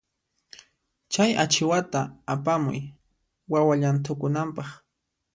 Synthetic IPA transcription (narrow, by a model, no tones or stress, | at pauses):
t͡ʃaja̰t͡ʃɪwat̪aːpamʊ̰j | wawaʎant̪̬ʊkʊnampɑχ